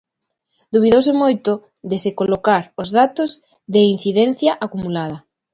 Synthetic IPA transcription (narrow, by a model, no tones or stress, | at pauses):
d̪uβ̞iðowsemojt̪o | ðesekolokaɾozðat̪oz | ðein̟θiðɛn̟θjaʔakumulað̞ɐ